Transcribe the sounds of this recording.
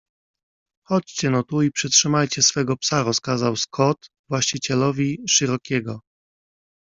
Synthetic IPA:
xɔt͡ɕt͡ɕɛnɔt̪uipʂɛtʂɘmajt͡ɕɛsfɛɡɔpsaɾɔskazawskʰɔt̪ | vwaɕt͡ɕit͡ɕɛlɔvʲiʂɘɾɔkʲɛɡɔ

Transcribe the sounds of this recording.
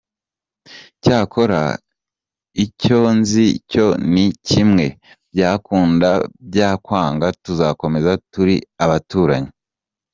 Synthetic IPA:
caːko̞ɾa̰ | ico̞nzico̞nicimŋe̞ | bɟaːkuːndab̚ɟaːkwaːŋɡatuzako̞me̞zatuɾiaβatuːɾaɲi

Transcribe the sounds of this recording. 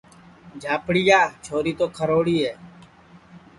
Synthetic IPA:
d͡ʒʱaːpɽiːjaːt͡ʃʰoːɾiːt̪oːkʰəɾoːɽiːɦeː

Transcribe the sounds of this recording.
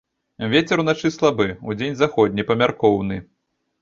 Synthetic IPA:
vʲet͡sʲɛɾunat͡ʂɨslˠabɨud͡zʲenʲzaxɔd̪ʲnʲipɐmʲarkɔwnɨ

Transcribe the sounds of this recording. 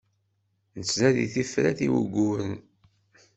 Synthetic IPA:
nət͡sːnæðḭθifɾæ̰θiwə̰ɡuən

